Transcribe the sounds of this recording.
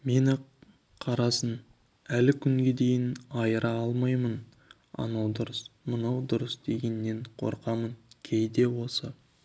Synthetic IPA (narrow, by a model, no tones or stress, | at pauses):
me̞nɪ | qʰɑɾɑsən | ælɪkʲʰʏŋɡʲe̞d̪e̞jɪnɑjəɾʔɑɑlˠmɑjmən | ɑ̰nɑwd̪ʊɾəsmənɑwd̪ʊɾəsd̪e̞ɡʲe̞nːe̞ɴqʰo̞̰ɾqɑmənkʲʰe̞jd̪e̞wo̞sə